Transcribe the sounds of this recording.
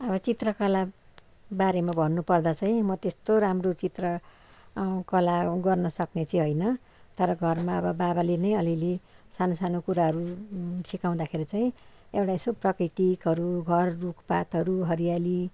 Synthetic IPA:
ʌβʌt͡sit̪rʌkʌla | baɾemabʱʌnːupʌrd̪at͡saj̃mʌt̪est̪oɾamrot͡sit̪rʌ | kʌlaɡʌrnʌsʌknet͡sʌĩɦojnʌ | t̪ʌɾʌɡʱʌrmaʌbʌbabalenʌjʌlilesanosanokuɾaɦʌɾusikaw̃d̪akʰeɾit͡saĩ | ewʈaesoprʌkrit̪ikɦʌɾuɡʱʌrːukpat̪ɦʌɾuɦʌɾijali

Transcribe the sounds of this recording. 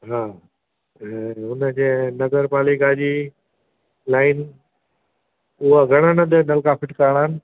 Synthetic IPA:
ɦaː | ɛ̃ʊnəd͡ʑeːnɐɡəɾpaːlɪkad͡ʑiː | laːɪn | ʊɦaɡʱɐɽ̃ənəd̪ənɐlkaːpɪʈkaɾɽ̃aɪnɪ̆

